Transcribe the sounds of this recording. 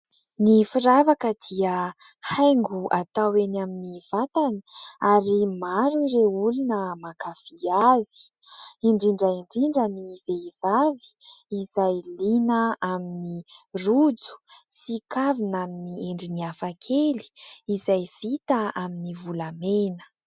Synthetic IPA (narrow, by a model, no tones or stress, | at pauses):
nifiɾavakəd̪̥iə | hajŋɡuʔat̪awenaminiv̥at̪ani̥aɾimaɾuiɾeulunəmakafiazi̥ | iɳɖ͡ʐiɳɖ͡ʐaiɳɖ͡ʐiɳɖ͡ʐəniveivavi̥ːzajlinəaminirud͡zu̥sikavinaminieɳɖ͡ʐiniafakʰeli̥izajv̥it̪aaminivulamenə̥